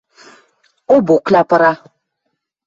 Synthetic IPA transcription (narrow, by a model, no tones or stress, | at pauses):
oboklapəɾa